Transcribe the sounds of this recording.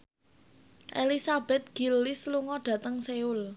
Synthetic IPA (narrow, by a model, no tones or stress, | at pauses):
ʔelisab̥ɛ̤t̪̚ɡ̥ilːɪsluŋɔɖ̥ä̤t̪əŋseʊl